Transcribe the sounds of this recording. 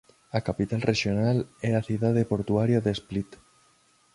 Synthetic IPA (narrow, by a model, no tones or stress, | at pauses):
akapit̪alrʔeʃjonalɛaθiðaðepoɾt̪uaɾjaðesplit̪